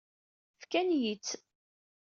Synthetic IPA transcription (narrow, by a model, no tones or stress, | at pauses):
fkænjit͡sː